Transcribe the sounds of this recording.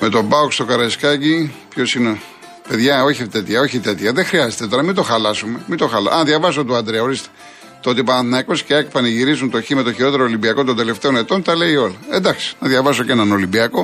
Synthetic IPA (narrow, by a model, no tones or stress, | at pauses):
me̞t̪o̞bɐokst̪o̞kɐɾɐiskɐcipço̞sine | pe̞ðʝɐo̞çit̪et̪çɐo̞çit̪e̞t̪çɐðexɾiɐzet̪et̪oɾnɐmind̪o̞xɐlɐsumemind̪o̞xɐlɐʔɐnðʝɐvɐso̞t̪uɐnd̪ɾeɐoɾist̪e̥ | t̪oot̪ipɐnɐθinɐikosceekpɐnɐʝiɾizunt̪oçimet̪oçiɾo̞t̪e̞ɾoːlimbiɐko̞t̪od̪e̞le̞ft̪e̞o̞ne̞t̪o̞nt̪ɐle̞io̞lɐend̪ɐksi̥nɐðʝɐvɐs̬ocenɐnolimbiɐko̞